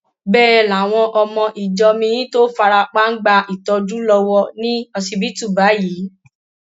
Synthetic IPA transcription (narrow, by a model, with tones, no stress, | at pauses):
bɛː˦˨la˨w̃ɔ̃˧ʔɔ˧mɔ̃˧ʔi˨d͡ʒɔ˧mĩ˧jĩ˦to˦fa˧ɾa˧k͡pa˦ŋ̩˦ɡ͡ba˧ʔi˨tɔ˧d͡ʒu˦lɔ˧wɔ˧nĩ˦ɔ˧si˧bi˦tu˦˨ba˨˦ji˨˦